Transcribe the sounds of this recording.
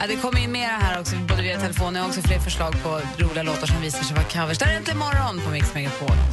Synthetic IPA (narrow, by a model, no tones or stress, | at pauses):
ad̪ɛkʰɔmːəɾɪnːmeːɾaɦæːɾɔksɔboːd̪əviːat̪ʰɛlɛfoːnəɔksɔfleːɾfœʂɭɑːɡ̚pʰɔ | ɾuːblɪɡaloːt̪aʂɔmviːsaʂɛjvakʰavəʂd̪ɛɾɪnt̪əɪmɔɾːɔnfɔmɪksmɛɡapʰoː